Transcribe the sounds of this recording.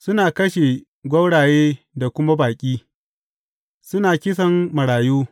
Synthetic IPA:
sʊ˦naː˨kɐ˦ʃe˨ | ɡʷɐ˦wɽaː˨jeː˦ | da˨kʷʊ˦ma˦baː˨kʲʼiː˦ | sʊ˦naː˨kʲɪ˦s̬ɐ˨mmɐ˨ɽaː˨juː˦

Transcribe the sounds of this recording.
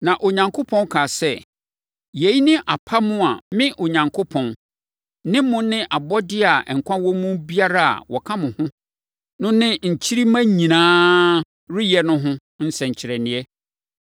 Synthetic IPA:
nã˨ʔo˨ɲã˨ŋkʰo˦pʰɔ̃˦n˦kʰa˨sɛ˦˨ | je˨˦i˦nɪ̃˦ʔa˨pʰa˦mʊ̃˦a˨mɪ̃˦ʔo˨ɲã˨ŋkʰo˦pʰɔ̃˨n | nɪ̃˦mʊ̃˦nɪ̃˦ʔa˨bɔ˦dɪ˦a˨ʔŋ̩˨kʷʰã˦wɔ˦mũ˦bi˦a˦ɾa˦a̰˨wɔ˨kʰã˦mʊ̃˨hʊ̃˦ | nʊ̃˦nɪ̃˦ɲ̩˨t͡ɕʰi˦ɾi˦mã˦ɲĩ˨nãː˦ | ɾɪ˦jɛ˨nʊ̃˦ɦʊ̃˦ | n̩˦sɛ̃˨ɲ̩˨t͡ɕʰɪ˨ɾɛ˨nɪ̃˨ɛ˦

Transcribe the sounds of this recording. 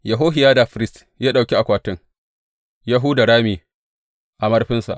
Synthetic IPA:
ja˨ɦoː˦ɦɪ˨jaː˦da˨ɸɪ˦ɾɪ˦st | jaː˦ɗa˨wkʲi˦a˨kʷaː˨tɪ˦ŋ | jaː˦ɦuː˦da˨ɽaː˦miː˨ | ʔa˨mɐ˦rɸɪ˦nsa̰˨ʔ

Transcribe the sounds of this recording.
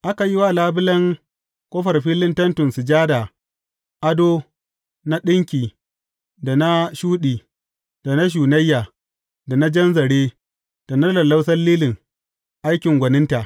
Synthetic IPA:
ʔa˦ka˨ji˦wa˦˨laː˦bɪ˦lɐ˦ŋ | kʷʼɔ˦ɸɐ˨rɸiː˦lɪ˦ntɐ˦ntʊ˨nsɪ˨d͡ʒaː˦daː˨ | ʔa˦doː˦ | na˦ɗɪ˦ŋkʲiː˨ | da˨na˦ʃuː˦ɗiː˨ | d̥a˨na˦ʃ̬uː˨nɐ˦jːaː˨ | da˨na˦d͡ʒɐ˦nzɐ˨ɽeː˦ | d̥a˨nɐ˦rlɐ˨la˦wsɐ˦lliː˦lɪ˨ŋ | ʔa˦jkʲɪ˨ŋɡʷɐ˨nɪ˦nta˨ʔ

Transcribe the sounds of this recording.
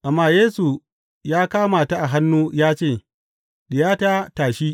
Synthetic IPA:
ʔa˨mːaː˦˨jeː˦su˨ | jaː˦kaː˦maː˨ta˦ʔa˨ɦa˦nːuː˦jaː˦t͡ʃeː˦˨ | ɗɪ˨jaː˦ta˦taː˨ʃiː˦

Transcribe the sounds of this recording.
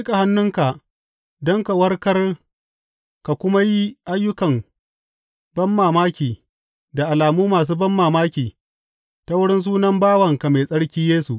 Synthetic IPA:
i˦ka˨ha˦nːʊ˦ŋka˨ʔ | dɔ˦ŋka˨wɐ˦rkɐ˦r | ka˨kʷʊ˦ma˦ji˦ʔa˦jːʊ˦kɐ˨m | bɐ˦mːaː˨maː˦kʲiː˨ | da˨ʔa˨laː˨muː˦maː˨s̬uː˦bɐ˦mːaː˨maː˦kʲiː˨ | ta˨˦wʊ˦ɽɪ˦ns̬uː˦nɐ˦mbaː˦wɐ˨ŋka˨me˨sʼɐ˦ɽkʲiː˦jeː˦su˨ʔ

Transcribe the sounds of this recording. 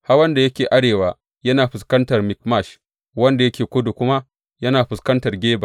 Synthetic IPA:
ha˦rwɐ˦nda˨jɐ˦kʲeː˨ʔa˦ɽeː˨waː˨˦ | jɐ˦naː˨ɸɪ˨skɐ˦ntɐ˨rmɪ˨k̚ma˦˨ʃ | wɐ˦nda˨jɐ˦kʲeː˨kʷʊ˦du˨kʷʊ˦ma˦ | jɐ˦naː˨ɸɪ˨skɐ˦ntɐ˨rɡʲeː˦ba˨

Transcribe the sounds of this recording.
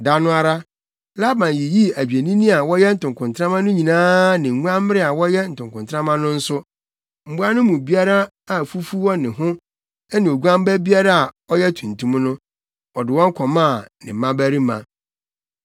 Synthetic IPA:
da˦nʊ̃˦a˨ɾa˦ | la˦bã˨nji˨ji˦æ˨d͡ʑᶣe˨nĩ˦nĩ˦a˨wɔ˦jɛ˦n̩˨tʊ̃˨ŋkʰʊ̃˨ntʰɾã˦mã˦nʊ̃˦ɲĩ˨nãː˦nɪ̃˨ŋ˨ŋũ˦ã˦m˦mɪ˦ɾɪ˦a˨wɔ˦jɛ˦n̩˨tʊ̃˨ŋkʊ̃˨ntʰɾã˦mã˦nʊ̃˦n̩˦sʊ˦ | m̩˨bu˦a˦nʊ̃˦mũ˨bi˦a˦ɾa˦ | a˨fu˦fu˦wɔ˦nɪ̃˨ɦʊ̃˦ | ɛ˦nɪ̃˨o˨ɡu˦ã˦m˦bæ˦bi˦a˦ɾa˦a˨ɔ˦jɛ˦tʰũ˨n̩tʰũ˦m˦nʊ̃˦ | ɔ˨dɪ˨wɔ̃˦ŋ̩˦kʰɔ˨mã˦˨nɪ̃˨m˨mã˦bæ˦ɾi˦mã̰˨

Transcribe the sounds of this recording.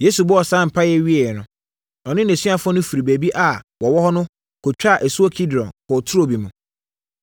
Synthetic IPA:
je˦su˨bʊ˦ɔ˨sã˦˨m̩˨pʰa˦jɛ˦ɥi˦ɛ˨ɛ˨nʊ̃˨ | ɔ˨nɪ̃˦næ̃˨si˦a˦fʊ˦ɔ˦nʊ̃˦fi˨ɾi˨bæ˨bi˦ʔa˨wɔ˨wɔ˦hɔ˦nʊ̃˦ | kʰɔ˨t͡ɕᶣa˦˨ʔɛ˨su˦ɔ˦kʰi˦dɾɔ̰̃˨nkɔ˨tʰʊ˦ɾo˦bi˨mũ˨

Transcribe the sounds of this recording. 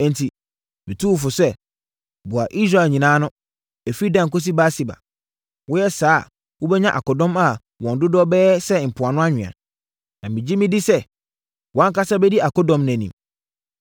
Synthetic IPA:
ɛ̃˨n˨tʰi˨ | mɪ̃˨tʰu˦˨fʊ˨sɛ˦ | bʊ˨a˨ʔi˦s̬ɾa˦˨ɛ˨ɲĩ˨nãː˦nʊ̃˦ | æ˨fi˦dã˨ŋ̩˨kɔ˦s̬i˦ba˦si˨ba̰˨ | wʊ˦jɛ˦saː˦ | wʊ˦bɛ˦ɲã˦ʔa̰˨kɔ˨dɔ̃˦ma˦ | wɔ̃˨n˨dʊ˦dɔ˦bɛː˦sɛ˦˨m̩˨pʰʊ˨a˨nʊ̃˦a˦ɲᶣɪ̃˨a̰˨ | nã˨mɪ̃˨d͡ʑi˦mɪ̃˦di˦sɛ˦ | wã˦ŋ̩˦ka˦sa˦bɛ˦di˦a˨kɔ˦dɔ̃˨mnɛ̃˨nḭ̃˨m

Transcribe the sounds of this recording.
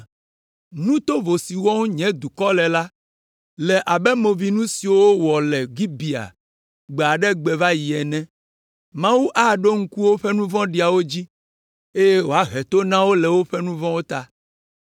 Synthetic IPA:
nũ˦t̪o˦vo˨si˨wɔ̃˦ŋ˦ɲɛ̃˦d̪u˨kɔ˦lɛ˨la˦ | lɛ˨ʔa˨bɛ˦mõ˨vi˨nũ˦si˨wo˦wɔ˨lɛ˨ɡi˦bi˨a̰˨ | ɡ͡be˨a˨ɖɛ˦ɡ͡bɛ˨va˦ji˨ɛ˨nɛ̃˦ | mã˦wu˦ʔa˦ɖo˦ŋ̩˦ku˦wo˦ɸɛ˦nũ˦vɔ̃˦ɖi˨a˨wo˦d͡ʑi˦ | e˦je˦wo˨a˦ɦɛ˨t̪o˦nã˦wo˦lɛ˨wo˦ɸɛ˦nũ˦vɔ̃˦wo˦t̪a˦

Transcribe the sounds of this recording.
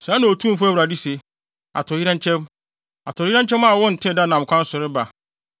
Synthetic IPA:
sãː˨˦nã˨o˨tʰũ˦fʊ˦æ˦wɾa˨di˦se˨ | a̰˨tʰʊ˨jɪ˦ɾã˦ɲ̩˦t͡ʃʰɛ̃˦m | a˨tʰʊ˨˦jɪ˦ɾã˦ɲ˦t͡ɕʰɛ̃˦ma˦˨wɔ̃˦n̩˨tʰɪ̃˦da˦˨nã˨m̩˨kʷʰã˦n̩˦sʊ˨ɾɪ˦ba˨

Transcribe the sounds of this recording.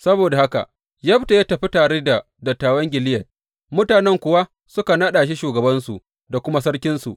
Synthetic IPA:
sɐ˦boː˨da˨ha˦ka̰˨ʔ | jɐ˦ɸta˨ja˦tɐ˨ɸi˦taː˨ɽeː˦da˨ | dɐ˨tːaː˨wɐ˦ŋɡʲɪ˨lɪ˦jɐ˨t | mʊ˦taː˨nɛ˦ŋkʷʊ˨wa˦ | sʊ˦ka˨nɐ˦ɗaː˨ʃ̬i˦ʃuː˨ɡɐ˨bɐ˦nsṵ˨ | da˨kʷʊ˦ma˦sɐ˦ɽkʲɪ˦nsṵ˨ʔ

